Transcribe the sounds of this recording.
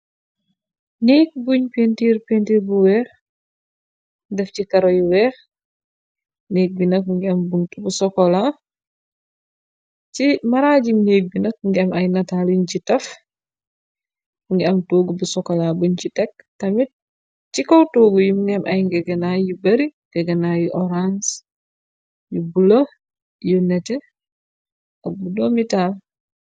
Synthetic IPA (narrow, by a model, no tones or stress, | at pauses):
neːk̚buɲpentiːɾpentiɾbuwɛːx | dɛfcikɐɾɔjiwɛːx | neːk̚binɐk̚muŋɡiɐmbuntubusɔkɔla | cimɐɾaːɟimneːk̚binɐk̚ŋɡiɐmɐjnɐtaliɲcitɐf | muŋɡiɐmtoːɡubusɔkɔlabuɲcitɛktɐmit̚ | t͡ʃikɔwtoːɡujumuŋɡimʔajŋɡɛɡɛnajubɐɾi | ɡɛɡɛnajuʔɔɾans | jubulo | junɛtɛ | abudɔmital